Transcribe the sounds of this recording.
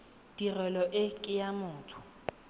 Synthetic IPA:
d̥irɛlɔʔɪkʼɪjamʊːtʰʊ̥

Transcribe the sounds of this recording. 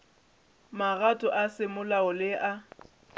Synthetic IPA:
maɣatʼɔʔasɪmʊlaʊlɪʔa

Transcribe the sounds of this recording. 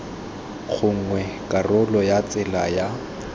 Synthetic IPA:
χʰʊŋ̩ŋwɛkʼarʊlɔjat͡sʼɪla̰ja

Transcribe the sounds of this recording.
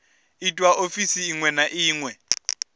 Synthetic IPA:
itʼwaʔofisiːŋwɛnaʔiːŋwɛ

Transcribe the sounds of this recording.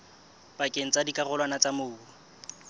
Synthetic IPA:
pʼakʼeŋ̩t͡sadikʼarʊlwanat͡samʊːu

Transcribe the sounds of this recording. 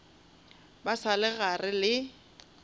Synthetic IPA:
basalɪɣarɪlɪ

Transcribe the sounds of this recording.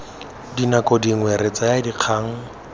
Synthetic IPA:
dinakɔdiŋ̩wɛɾet͡sajadiq͡χʰaːŋ̩

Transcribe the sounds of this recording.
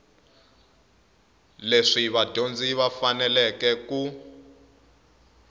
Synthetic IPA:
leʂiβad̥ʱond͡ziβafanɛlɛkɛku

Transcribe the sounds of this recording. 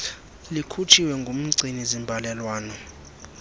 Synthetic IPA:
likʰut͡ʃʰiwɛŋɡʱom̩ǀʱinizimbʱalɛlwaːnɔ

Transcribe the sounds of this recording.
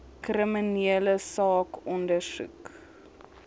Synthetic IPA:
krəminiələsɑːkɔndərsṵk

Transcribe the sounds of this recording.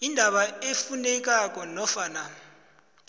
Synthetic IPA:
indʱaɓaefunɛk̬ʼak̬ʼɔnɔfaːna

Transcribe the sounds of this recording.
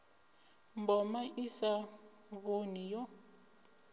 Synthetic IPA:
mbɔmaʔisa | βonijɔ

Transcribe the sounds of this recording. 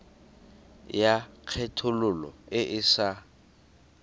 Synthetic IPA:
jaq͡χʰɛtʰʊlʊlɔ̰ɪʔɪsa

